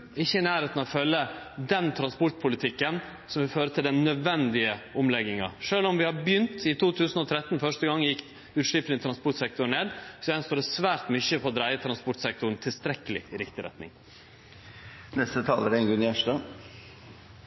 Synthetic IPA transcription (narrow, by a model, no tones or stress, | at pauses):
ɪçːənæːɾheːt̪nəɔfœlːə | d̪ɛnt̪ʰɾɑnspɔɾʈ̪̚pʰʊlɪt̪ʰɪkːən | sɔmʋɪføːɾət̪ʰɪld̪ɛnːœd̪ʋɛnd̪ɪəʔʊmlɛɡɪŋɑ̰ʂøːlɔmʋɪhɑɾbjʏnt̪ɪt̪ʰuːt̪ʰʉːsn̩ɔt̪ʰɾɛt̪ːnfœʂʈəɡɑŋːjɪkː | ʉːt̪ʂɪpnɪŋt̪ʰɾɑnspɔʈsɛk̚t̪ʊɳeːd̪sɔɛnst̪oːɖɛsʋæːɾʈmʏçəpʰɔd̪ɾæɪət̪ʰɾɑnspɔʈsɛk̚t̪ʊn̩t̪ʰɪlst̪ɾɛkːəlɪ̰ɪɾɪkt̪ɪɾɛ̰t̪nɪ̰ŋ | nɛst̪ət̪ʰɑːləɾɛnɡʉnæʂʈɑː